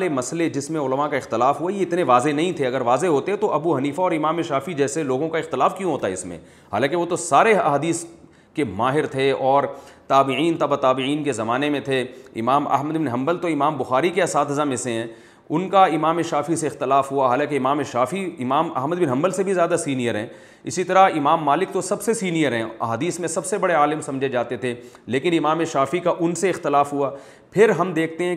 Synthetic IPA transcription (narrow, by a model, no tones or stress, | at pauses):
lemɐsled͡ʒɪsmẽʊləmakaɪxt̪ɪlaːfɦuajeɪt̪neʋaːzenɐɦĩt̪ʰeɐɡəɾʋaːzeɦoːt̪eɦɛ̃t̪oʔɐbuɦɐniːfaɔːɾɪmaːmeʃaːfid͡ʒɛːseloːɡõkaɪxt̪ɪlaːfkjũɦoːt̪aɦɛɪsmḛ̃ | ɦaːlãːkeʋot̪osaːɾeɐ̰ɦaːd̪iːs | kemaːɦɪɾt̪ʰeɔːɾt̪aːbɪʕiːnt̪ɐbat̪aːbɪiːnkezɐmaːnemẽt̪ʰeɪ̰maːmɐ̰ɦməd̪bɪnɦɐ̃mbəlt̪oɪmaːmbʊxaːɾikeɐsaːt̪ʰɦɐzəmɪsẽɦɛ̃ː | ʊnkaɪmaːmeʃaːfiseɪxt̪ɪlaːfɦuaɦaːlãːkeɪmaːmeʃaːfiɪmaːmɐ̰ɦməd̪bɪnɦɐ̃mbəlsebʱizjaːd̪asiːnijəɾɦɛ̃ː | ɪsit̪ɐɾaɪmaːmːaːlɪk̚t̪osɐbsesiːnijəɾɦɛ̃ɐ̰ɦaːd̪iːsmẽsɐbsebɐɽeaːlɪmsɐ̃md͡ʒʱed͡ʒaːt̪et̪ʰe | leːkɪnɪmaːmeʃaːfikaʔʊnseɪxt̪ɪlaːfɦʊa | pʰɪɾɦɐmd̪eːk̚ʰt̪eɦɛ̃